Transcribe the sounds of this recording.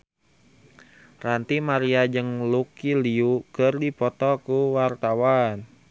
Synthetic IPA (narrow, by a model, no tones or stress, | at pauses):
rant̪imaɾiad͡ʒɨŋlukiliukərdipɔt̪ɔkuwart̪awan